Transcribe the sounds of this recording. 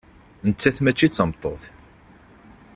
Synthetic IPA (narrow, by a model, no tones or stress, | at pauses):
nət͡sːæθmæt͡ʃːit͡sːəmt̪ˤːo̰θ